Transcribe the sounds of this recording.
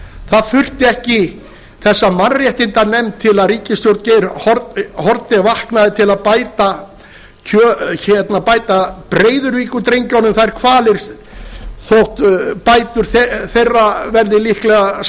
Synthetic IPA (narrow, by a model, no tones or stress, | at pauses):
θaðfʏr̥t̪ɪɛhcɪ | θɛsːamanrjɛht̪ɪnt̪anɛmt̪ʰːɪlaðɾiːcɪst̪jowɾt̪ceɾhɔɾthɔɾt̪ɪvahknaðɪt̪ʰɪlaðpaːjt̪a | cʰœːçɛt̪napaːjt̪apɾeːjðʏɾviːkʏt̪ɾejɲcawnʏmθaðɛɾkʰvaːlɪɾ̥ | θowht̪paːjt̪ʏɾ̥θθejrːavɛɾðɪlihklɛɣa